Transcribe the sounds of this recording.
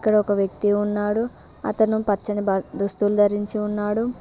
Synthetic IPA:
kːɐɽɐɔkɐʋjɐk̚t̪iunːaːɽuɐ̰t̪ɐnupɐt͡ʃːɐnid̪ust̪ulud̪ʱɐɾiɲt͡ʃiunːaːɽu

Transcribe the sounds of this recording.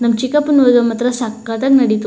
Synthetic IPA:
namt͡ʃikapənwəɡamat̪ɾasakɡat̪aknadit̪u

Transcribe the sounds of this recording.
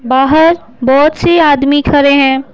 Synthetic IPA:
baːɦəɾ | bɔːt̪seaːd̪mikʰɐɾeɦɛ̃ː

